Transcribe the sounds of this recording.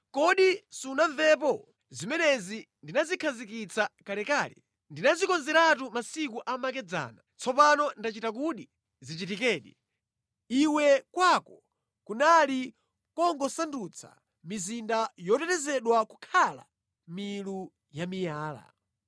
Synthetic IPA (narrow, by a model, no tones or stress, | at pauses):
kɔɗisunaɱvɛp̬ɔ | zimɛnɛzi | ndinazikʰazikit͡sʰakalɛkaːlɛ̰ | ndinazikɔnzɛɾatumasikuʔamak̬ɛd͡za̰ːnat͡sʰɔpanɔndat͡ʃitakuɗi | zititikɛːɗi | iwɛkwakɔ | kunali | kɔŋɡɔsandut͡sʰa̰ | mizindajɔtɛtɛzɛɗwakukʰala̰ | milu | jamijaːla̰